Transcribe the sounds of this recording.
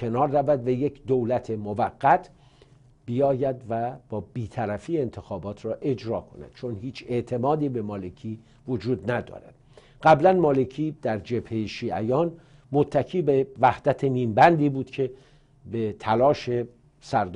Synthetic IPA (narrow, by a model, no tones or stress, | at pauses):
e̞nɒːɾːævæd̪væje̞cʰd̪owlæt̪ʰe̞movæɡːæt̪ʰ | b̥ijɒːjæd̪væb̥ɒːb̥iːt̪ʰæɾæfiːeent̪ʰe̞xɒːbɒːt̪ʰɾɒːʔe̞d͡ʒɾɒːkʰo̞næ̰d̪̥t͡ʃʰonhiːt͡ʃʰe̞ʔt̪ʰe̞mɒːd̪iːbe̞mɒːle̞cʰiː | vod͡ʒuːd̪næd̪ɒ̰ːɾæd̪̥ | ɢæblænmɒːle̞kʰiːd̪̥æɾd͡ʒe̞bhe̞jeʃiːʔæ̰jɒːn | mot̪ʰːæcʰiːbe̞væhd̪̥æt̪ʰe̞miːmbænd̪iːbuːd̪̥cʰe̞ | bet̪ʰælɒːʃe̞ | sæɾd̪